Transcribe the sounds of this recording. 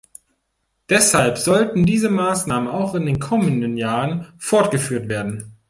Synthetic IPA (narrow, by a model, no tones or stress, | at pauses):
d̥ɛshalpz̥ɔltn̩diːzəmaːsnaːmənaʊxɪndeːnkʰɔməndənjaːʁənfɔɐt̚ɡ̥əfyːɐtv̥eːɐdn̩